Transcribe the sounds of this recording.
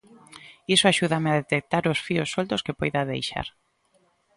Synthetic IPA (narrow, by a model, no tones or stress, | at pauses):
isoaʃuðameaðet̪ek̚t̪aɾʊsfiosːolt̪oskepojðaðḛjʃa̰ɾ